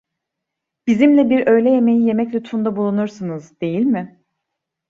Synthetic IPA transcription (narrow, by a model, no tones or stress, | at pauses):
b̥izimlʲɛbiɾø̞jlʲɛje̞mejije̞mɛclʲut̪fund̪abulˠunuɾsɯnɯzd̪e̞jilʲmɪ